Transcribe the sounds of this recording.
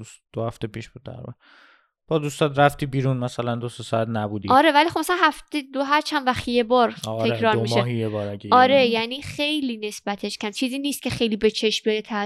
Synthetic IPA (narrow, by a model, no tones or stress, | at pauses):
us | d̪̥ohæft̪epiːʃb̥ud̪ːæ̰ɾma̰ | b̥ɒːd̪ust̪ɒːd̪ɾæft̪iːbiːɾunmæsælænd̪osesɒæt̪næbuːd̪iɒːɾevæliːxomæsæænɦæfed̪oɦæɾt͡ʃʰænd̪væxt̪ijebɒːɾʰekʰɾɒːɾmiːmeːɦijebɒːɾæeɒɾe̞jæːniːχe̞jliːne̞sbæt̪ʰe̞ʃcʰæmt͡ʃʰiːziːniːst̪̚cʰʲe̞xejliːbe̞t͡ʃʰe̞ʃmbet̪ʰæ